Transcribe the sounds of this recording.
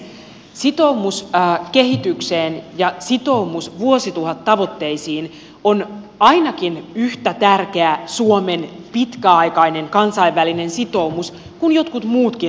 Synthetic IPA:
sit̪o̞umuskeɦit̪ykseːnjɑsit̪o̞umusʋuosit̪uhɑt̪ːɑʋo̞t̪ːe̞isiːn | on | ɑinɑkinyht̪æt̪ærkeæsuomenpit̪kæɑjkɑineŋkɑnsɑiʋːæline̞nsit̪o̞umus | kunjot̪kut̪muːt̪ki

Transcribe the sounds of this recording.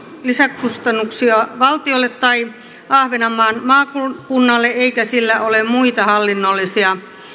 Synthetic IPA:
lisækkust̪ɑnːuksiɑʋɑlt̪iolːet̪tɑi | ɑhʋenɑmːɑːnmɑːkukunːɑlːeeikæsilːæolemmuit̪ɑhɑlːinːolːisiɑ

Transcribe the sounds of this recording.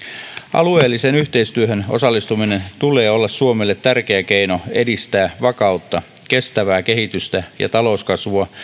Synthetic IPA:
ʔɑ̰lue̞ːlːisenyçt̪e̞ist̪yøɦøno̞̰sɑlːist̪umine̞nt̪ule̞ːo̞lːɑssuomelːet̪tærk̟eæke̞ino̞e̞dist̪æːʋɑkɑut̪ːɑ | kest̪æʋæːke̞ɦit̪yst̪æjɑ̰t̪ɑlo̞uskɑsʋuɑ

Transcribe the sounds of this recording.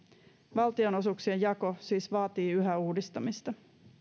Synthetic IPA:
ʋɑlt̪io̞no̞suksiejɑko̞siːsʋɑːt̪iːyɦæuːdist̪ɑmist̪ɑ

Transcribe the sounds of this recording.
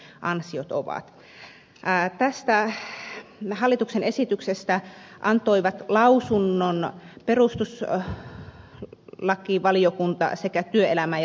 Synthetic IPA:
ʔɑnsiot̪o̰ʋɑ̰t̪ː | t̪æst̪æ | hɑlːit̪uksenesit̪yksest̪æʔɑnt̪oiʋɑt̪lɑusunːonperust̪us | lɑkːˑiːʋɑliokunt̪ɑ̰sekæt̪yøelæmæ

